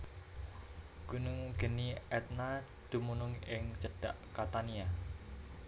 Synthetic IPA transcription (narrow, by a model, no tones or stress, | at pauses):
ɡ̥unʊŋɡ̥ə̤niɛt̪̚na | d̪̥ṳmunʊŋɪŋt͡ʃəɖ̥aʔkat̪ania